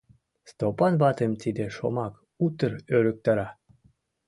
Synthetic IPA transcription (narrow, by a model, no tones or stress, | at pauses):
st̪opɑnβɑt̪emt̪id̪eʃomɑk | ut̪əɾøɾək̚t̪ɑɾɑ